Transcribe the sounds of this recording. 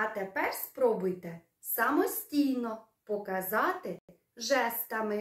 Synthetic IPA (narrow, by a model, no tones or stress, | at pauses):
ɐt̪epɛrspɾɔbʊjt̪ɛ | sɐmɔsʲtʲijnɔ | pɔkɐzɑt̪ɪ | ʒɛst̪ɐmɪ